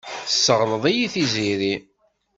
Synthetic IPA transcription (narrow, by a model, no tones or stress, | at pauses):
θəsːəʁləðˤæjiθiziɾi